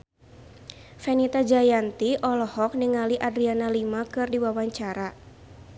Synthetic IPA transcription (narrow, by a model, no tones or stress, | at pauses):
fɛnit̪ad͡ʒajant̪iʔɔlɔhɔk̚niŋaliʔadɾianalimakɨrdiwawaɲt͡ʃaɾa